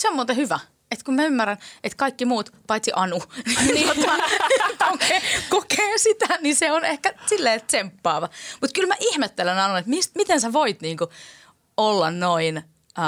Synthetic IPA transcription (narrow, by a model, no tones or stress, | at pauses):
semːot̪ehyʋæ | et̪kumæymːærænet̪kɑikːimuːt̪pɑit̪siʔɑnunini | kokeːkokeːsit̪æniseonehkæsilːeːt̪sempːɑːʋɑmut̪kylmæʔihmet̪ːelænɑnuet̪mist̪mit̪ensæʋoit̪niːŋku | olːɑnnoin